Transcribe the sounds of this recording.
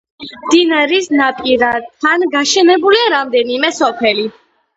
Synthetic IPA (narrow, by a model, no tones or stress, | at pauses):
md̪̥inaɾisnapʼiɾat̪ʰːanɡaʃɛnɛbuliaɾamd̪ɛnimɛsɔpʰɛli